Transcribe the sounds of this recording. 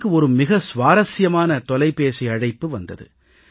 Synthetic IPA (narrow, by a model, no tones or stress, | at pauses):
kːɯɔɾɯmɪɣɐsʋaːɾɐsɪjɐmaːnɐt̪ɔlɐɪpːeːsiɐɻɐɪpːɯʋɐnd̪ɐ̰ðɯ̰